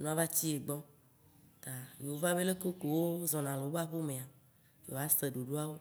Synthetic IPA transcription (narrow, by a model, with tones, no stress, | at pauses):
nũ˦a˦va˦t͡ɕi˦e˨ɡ͡bɔ˦ | t̪a˨je˨wo˦va˦be˦le˦ko˦ko˨wo˦zɔ̃˨nã˨le˨wo˦ba˦ɸo˦mẽ˨a˨ | jo˨˦a˦se˨ɖo˨ɖo˦a˦wo˦